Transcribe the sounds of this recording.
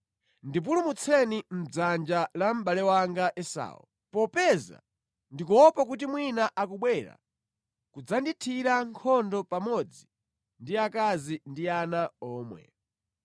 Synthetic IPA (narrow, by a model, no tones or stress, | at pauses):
ndip̬ulumut͡sʰɛnim̩d͡zand͡ʒalam̩ɓalɛwaŋɡaʔɛsa̰ːwɔ̰ | pɔpɛza̰ | ndik̬uɔpak̬ut̬imwinaʔakuɓwɛɾa̰ | kud͡zanditʰiɾaŋkʰɔndɔpamɔd͡zi | ndiakazindianaɔːmwɛ̰